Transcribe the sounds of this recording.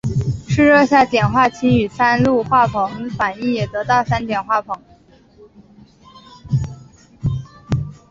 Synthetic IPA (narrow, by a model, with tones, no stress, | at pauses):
ʂɻ̩˥˧ɻɤ˥˧ɕja˥˩t͡ɕjɛ˨˩nxwa˥˩t͡ɕʰi˥ny˨˩sa˥nlu˥˧xwa˥˩pʰɤ˧˥ŋfa˨˩ni˥˩njɛ˨˩t̪ɤ˧˥t̪ɑ˥˩ʊsa˥nt̪jɛ˨˩nxwa˥˩pʰɤ˧˥ŋ